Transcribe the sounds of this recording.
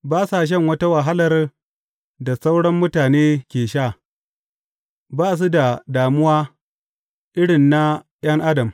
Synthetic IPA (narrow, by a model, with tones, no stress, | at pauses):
baː˦sa˨ʃ̬ɛ˦ŋwɐ˦ta˦wɐ˨ɦa˦lɐ˨r | da˨sa˦wɽɐ˦mːʊ˦taː˨neː˦kʲeː˨ʃaː˦˨ | baː˦s̬u˦da˨daː˨mʊ˦waː˦ | ʔɪ˦ɽɪ˨nːa˦ | j̰ɐ˦ŋʔa˦dɐ˨m